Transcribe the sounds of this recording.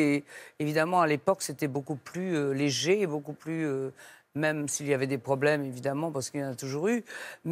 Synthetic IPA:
eevid̪amɑ̃alepɔkset̪ɛbokuplyøleʒeːbokuplyø | mɛmsiljavɛd̪epχɔblɛmevid̪amɑ̃paʁsə̥kilɑ̃nat̪uʒuʁym

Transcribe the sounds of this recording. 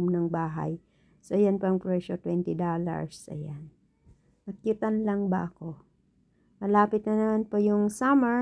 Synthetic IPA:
mnɐŋbaːɦa̰j | sojanpɐŋpɹɛʃot̪wɛnt̪ɪd̪ola̰ɹsɐ̰jan | nɐkːɪt̪ɐnlɐŋbɐ̰ʔɐko̞ | mɐlaːpɪt̪̚nɐnɐmanpojʊŋsamɛ

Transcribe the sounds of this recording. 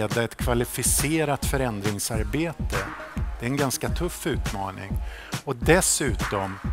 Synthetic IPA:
d̪aɛt̪kʰvalɪfɪseːɾat̪fœɾɛnd̪ɾɪŋsaɾbeːt̪əd̪̥ɛɾɛnɡanskat̪ʰɵfːʉ̟ːt̪mɑ̰ːnɪ̰ŋɔd̪ɛsʉ̟ːt̪ɔm

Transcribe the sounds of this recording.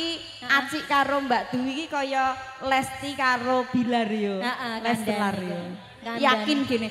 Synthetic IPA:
i | at͡ʃiʔkaɾombaʔd̪̥uwikikɔjɔ | lɛst̪ikaɾob̥i̤larjolɛst̪əlario | jakɪnɡ̥e̤ne

